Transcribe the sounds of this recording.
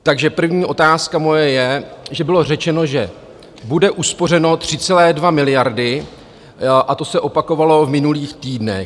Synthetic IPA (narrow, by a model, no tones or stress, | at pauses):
t̪aɡʒɛpr̩vɲiːʔo̞t̪aːskamo̞jɛjɛʒɛbɪlo̞rɛt͡ʃɛno̞ʒɛ | budɛʔuspo̞r̝ɛno̞t̪r̝̥ɪt͡sɛlɛːdvamɪlɪjaɾdɪ | ʔat̪o̞sɛʔo̞pako̞valo̞vmɪnuliːxt̪iːdnɛ̰